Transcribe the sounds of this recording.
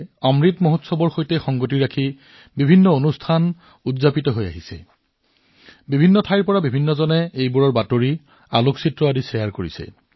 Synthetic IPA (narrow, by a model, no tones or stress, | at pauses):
ɔmɹitmoɦotsɔbɔɹxojtɛxɔŋɡotiɹakʰi | bibʱinːɔonustʰan | udzapitɔɦoja̰ɦisɛ̰ | bibʱinːɔtʰajɹpɔɹabibʱinːɔzɔnɛejbuɹɔɹbatoɹi | aloksitɹɔadisɛjaɹkoɹisɛ̰